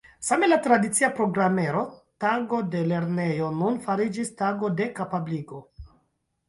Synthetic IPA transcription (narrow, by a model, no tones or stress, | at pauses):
same̞latɾadit͡siapɾo̞ɡɾame̞ɾo̞taɡo̞de̞le̞ɾne̞jo̞nunfaɾid͡ʒistaɡo̞de̞kapabliɡo̞